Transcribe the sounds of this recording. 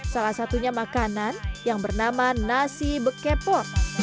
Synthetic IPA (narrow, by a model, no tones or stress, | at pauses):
salahsat̪uɲamakananjaŋbərnamanasibəkepɔr